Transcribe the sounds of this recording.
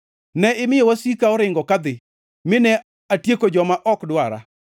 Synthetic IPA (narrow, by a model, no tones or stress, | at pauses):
nɛɪmɪjowasikaɔɾɪŋɡɔkad̪ɪ | mɪnɛ | atjekod͡ʒɔmaʔɔkdwaɾa̰